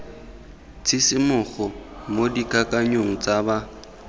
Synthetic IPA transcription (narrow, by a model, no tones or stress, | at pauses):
t͡sʰɪsɪmʊɣɔmodikʼakʼaɲoŋ̩t͡sʼaba